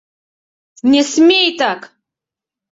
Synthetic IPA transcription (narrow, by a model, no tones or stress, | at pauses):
nʲesmʲejtʰʼakʼ